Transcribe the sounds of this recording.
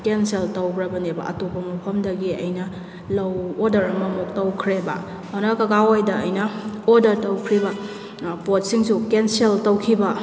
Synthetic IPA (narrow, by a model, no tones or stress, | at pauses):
kenseltɐwbɾɐbɐnebɐ̰ʔɐ̰topːɐmɐpʰɐmdɐɡiɐ̰jnɐ | lɐwodɐɾɐmɐmok̚tɐwkʰɾebɐ̰ | onɐkɐɡawajdɐːjnɐodɐɾtɐwkʰɾibɐ | pot̚siŋsukenseltɐwkʰibɐ